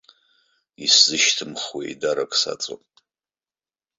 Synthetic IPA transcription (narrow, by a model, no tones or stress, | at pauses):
iszɨʃtʰɨmχwḛjdaɾakʷʼsa̰t͡sʼo̰nʼ